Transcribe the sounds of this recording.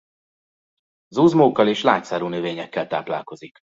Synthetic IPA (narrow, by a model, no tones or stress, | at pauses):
zuːzmoːkːɒleːʃlaːt̪saːɾuːnøveːɲɛkːɛlt̪aːpla̰ːlko̞zik